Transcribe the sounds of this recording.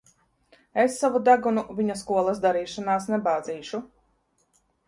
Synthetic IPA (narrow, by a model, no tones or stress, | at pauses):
esːavud̪aɡunuvʲiɲaskuɔlˠasd̪aɾiːʃanaːsnɛbaːd̪ziːʃu